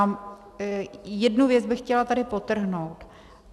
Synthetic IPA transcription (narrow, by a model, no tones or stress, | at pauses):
jɛdnuvjɛt͡sbɪxcɛlat̪adɪpot̪r̩ɦnowt̪